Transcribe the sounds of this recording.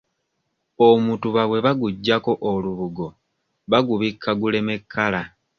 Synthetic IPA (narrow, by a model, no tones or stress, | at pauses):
omutuβaβwe̞βaɡuɟːako̞ʔoluβuɡo̞ | βaɡuβikʰːaɡule̞me̞kʰːala